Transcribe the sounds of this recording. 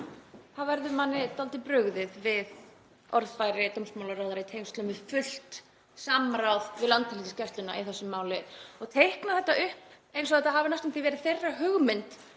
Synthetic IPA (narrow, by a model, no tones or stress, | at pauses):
θavɛɾðʏmanːɪt̪alt̪ɪpɾʏɣðɪðvɪð | ɔɾðfajɾɪt̪ɔmsmawlaɾawðaɾaɪit̪ʰejmst̪lœmɪ̥fʏl̥t̪ | samɾawðvɪðlant̪ɪlit̪ɪscɛst̪lʏna̰ʔiθɛsːʏmːaːwlɪɔɣt̪ʰejhknaθɛht̪ːaʔʏhp | ejnsɔθɛt̪aɦaːvɪnast̪ʏmθivɛːɾɪðθejrːaɦʏɣmɪnt̪